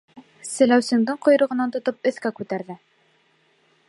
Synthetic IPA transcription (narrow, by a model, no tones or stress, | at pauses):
sɘ̆læwsɘ̆ŋd̪ɤɴqŏj̆ɾɤ̆ʁɤ̆nɑnt̪ŏt̪ɤp̚ɵ̆θkækʉt̪æɾðɘ